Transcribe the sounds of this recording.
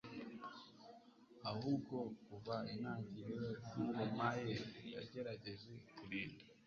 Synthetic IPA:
ahuːbɡo̞kuvainaːɟiɾejoiɾomajeja̰ɟe̞ɾaɟe̞zekuɾiːnda

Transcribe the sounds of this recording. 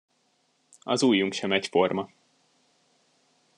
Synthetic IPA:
ɒzuːjːuŋkʃɛmɛcfo̞rmɒ

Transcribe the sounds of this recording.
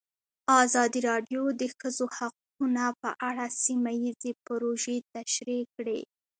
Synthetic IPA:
ɑzɑd̪iɾɑɖjod̪əxəzohaq̚ | unapə̰ʔaɽasimajizepɾoʒet̪aʃɾikɽḛ

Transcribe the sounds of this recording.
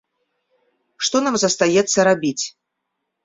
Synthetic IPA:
ʂt̪ɔnamzɐst̪ajɛt̪sːɐɾabʲit͡sʲ

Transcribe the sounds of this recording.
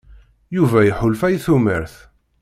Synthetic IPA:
juvæjħʊlfæjθumə̰ɾθ

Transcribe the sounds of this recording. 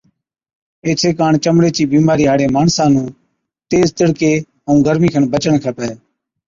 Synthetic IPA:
eːtʰeːkaːɳt͡ʃəmɽeːt͡ʃiːbiːmaːɾiːɦaːɽeːmaːɳsãːnũː | t̪eːzt̪ɪɽkeː | əũːɡʱəɾmiːkʰəɳbət͡ʃəɳkʰəpeː

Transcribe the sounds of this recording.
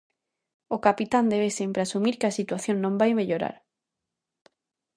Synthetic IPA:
okapit̪and̪eβ̞esempɾeasumiɾkasit̪waθjonnõmbajmeʎoɾa̰ɾ

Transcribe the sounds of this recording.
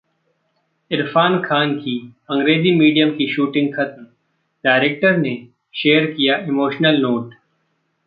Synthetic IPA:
ɪɾfaːnkʰaːnkiɐ̃ŋɡɾeːzimiːɖijəmkiʃuːʈɪ̃ŋɡxʰɐt̪m | ɖaːɪɾeːk̚ʈəɾne | ʃeːəɾkijaʔɪmoːʃnəlnoːʈ

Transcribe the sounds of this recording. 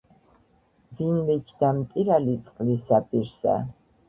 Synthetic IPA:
vinvɛt͡ʃʰd̪amt̪ʼiɾalit̪sʼqʼlisapʼiɾsa̰

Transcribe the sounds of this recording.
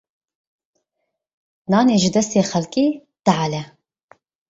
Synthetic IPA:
nɑːneːʒɨd̪ɛst̪eːxɛlkʼiː | d̪̥aʕalɛ

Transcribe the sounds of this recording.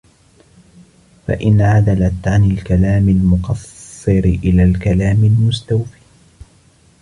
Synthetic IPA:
fa̰ʔɪnʕad̪alat̪ʕanɪlkalaːmɪlmʊqɑsːɨɾɪʔɪlaːlkalaːmɪlmʊst̪awfiː

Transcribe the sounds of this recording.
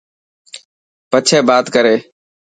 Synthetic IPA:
pət͡ʃʰeːbaːt̪kəɾeː

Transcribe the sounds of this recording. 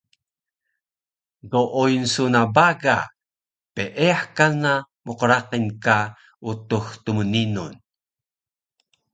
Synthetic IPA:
ɡoʔujnsunabaɡa | peʔeaħkana | muqəɾaqinka | ut̪uxt̪uməninṵn

